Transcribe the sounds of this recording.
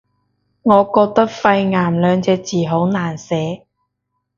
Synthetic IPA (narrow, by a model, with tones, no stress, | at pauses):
ŋɔː˨˧kɔː˧k̚t̪ɐ˥k̚fɐ˧jŋaː˨˩mlœː˨˧ŋt͡sɛː˧t͡siː˨˩ɦo˨˥wnaː˨˩nsɛː˨˥